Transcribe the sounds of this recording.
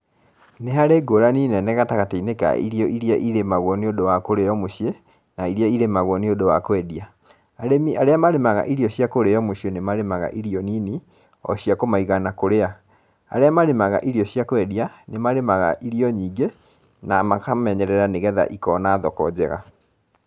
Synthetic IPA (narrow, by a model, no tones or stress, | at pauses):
neɦaɾeɡoɾaniːnɛnɛɣataɣateineka̰ḭɾiɔʔiɾiaʔiɾemaɣwɔneodowakoɾejɔmoɕje | naiɾiaiɾemaɣwɔneodowa̰koɛdia | aɾemiaɾeamaɾemaɣa̰ʔiɾjɔɕjakoɾeɔmoɕjenemaɾemaɣa̰ʔiɾiɔnini | ɔ̰ɕiakomaiɣanakoɾea | a̰ɾeamaɾemaɣa̰ʔiɾiɔɕjakwɛdianemaɾemaɣa̰ʔiɾiɔɲiːɡe | namakamɛɲɛɾɛɾaneɣɛða̰ʔikɔnaːðɔkɔ̰d͡ʑɛɣa̰